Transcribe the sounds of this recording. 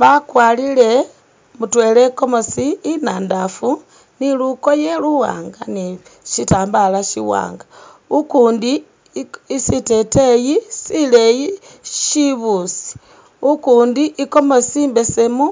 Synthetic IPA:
βakwaːlile̞ | mutwe̞leko̞mo̞siinaːndafu | niluko̞jeluwa̰ːŋɡaniʃitaːmbalaʃiwa̰ːŋɡa | ukuːndi | isite̞tejisileji | ʃiβusi̥ | ukuːndiʔiko̞mo̞siːmbe̞semu

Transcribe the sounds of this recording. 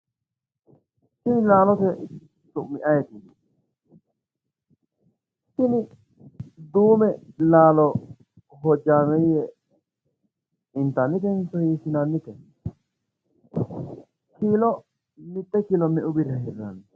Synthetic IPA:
sɪnɪlaːlɔt̪ɛ | t̪ʊʔmɪʔɐjɛt̪ɪ | sɪnɪ | d̪uːmɛlaːlɔ | ɦɔd͡ʒːaːmɛjɛ | ɪnt̪ɐnːɪt̪̬ɛnsɔhiːsɪnɐnːɪt̪ɛ | kiːlɔ | mɪt̪ːɛkilɔmɛʔʊbɪɾɐɦɛrːɐ̰n

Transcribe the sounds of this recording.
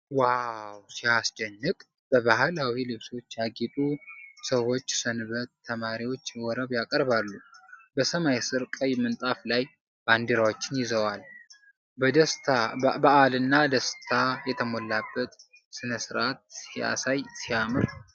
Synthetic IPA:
wawsiasd͡ʒɛnːɨkʼ | b̥əβahlawilɨβso̞t͡ʃːjaɡit̪ʼusəwo̞t͡ʃːsɨnɨβət̪ʰːəmaɾiwo̞t͡ʃːwɔɾəβjakʼəɾβalːubəsəmajsɨɾkʼəjmɨnt̪ʼaflaj | band̪iɾawot͡ʃːɪnjɪzəwal | d̪sabəʔalɨnːad̪əst̪ʰajɛt̪ʰəmolːabːət̪ | sɨnəsɨɾʔat̪̚sija̰sajsijamɨɾ

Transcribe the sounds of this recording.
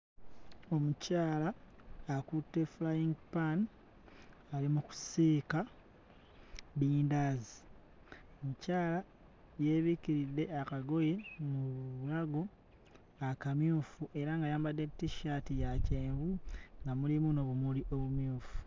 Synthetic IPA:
o̞mucaːlaː | kutːe̞fulajiŋɡpan | alimuku̥siːka | βiːndaːzi | omucaːla | je̞βikiɾidːe̞akaɡo̞je̞muβulaɡo̞ | akamjuːfuʔe̞ɾaŋɡajaːmbadːe̞tːiʃatijaceːɱvuŋɡamulimunoβumuliʔo̞βumjuːfu̥

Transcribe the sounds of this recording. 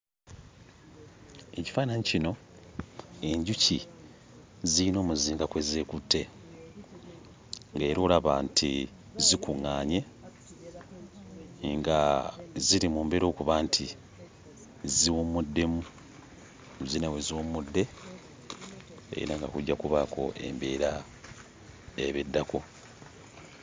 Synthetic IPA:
e̞ci̥faːnaɲicino̞ | e̞ɲɟuci | ziino̞ːmuziːŋɡakwe̞ze̞ːkutʰːe̞ | ŋɡeːɾoːlaβa̰ntʰḭ | zikuŋːaːɲe̞ | ŋɡaziɾimuːmbe̞ɾo̞ːkuβaːntʰi | ziwomudːe̞mu | uzinaweziwommudːe̞ | ḛḭnaŋɡa̰kuɟːakuβakʰo̞̰ʔe̞̰mbeːɾa | eβedːako

